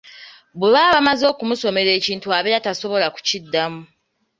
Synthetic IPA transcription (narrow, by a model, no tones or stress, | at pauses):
buβaːβamazo̞ːkumuso̞me̞ɾe̞ːciːntuaːβeɾataso̞βo̞laku̥cidːamu